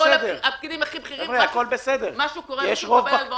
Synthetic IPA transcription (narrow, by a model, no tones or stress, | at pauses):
sed̪ep̚kid̪imaχibχiaivʁeako̞lbesed̪eʁmaʃukoʁjeʃʁovpa